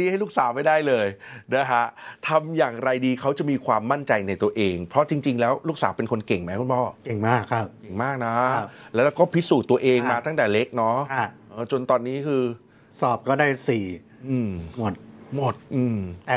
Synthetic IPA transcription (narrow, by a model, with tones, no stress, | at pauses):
i˥˩ha˥˩jluː˥˩ksaː˩˦wma˥˩jdaː˥˩jlɤː˧jna˦˥kʰa˦˥t̪ʰa˧mjaː˨˩ŋɾa˧jdiː˧kʰa˦˥wt͡ɕa˨˩miː˧kʰwaː˧mːa˥˩nt͡ɕa˧jna˧jt̪u˧ɐʔeː˧ŋpʰɾɔ˦˥t͡ɕi˧ŋt͡ɕi˧ŋlɛː˦˥wluː˥˩k̚saː˩˦wpe˧nkʰo˧nke˨˩ŋma˦˥ku˧npʰɔː˥˩ke˨˩ŋmaː˥˩kʰːa˦˥˧ke˨˩ŋmaː˥˩k̚na˦˥˧lɛː˦˥ɾɛː˧˥wkɔː˥˩pʰi˦˥suː˨˩t̪ːu˧ɐʔeː˧ŋmaː˧t̪ʰa˥˩ŋt̪ɛː˨˩le˦˥k̚nɔ˦˥˧ʔɤː˨˩t͡ɕo˧nt̪ɔː˧nːiː˦˥kʰɯː˧ | sɔː˨˩p̚kɔː˥˩daː˥˩jsiː˨˩ | ʔɯː˧mmo˨˩t̪̚mo˨˩t̪̚ʔɯː˧m˨˩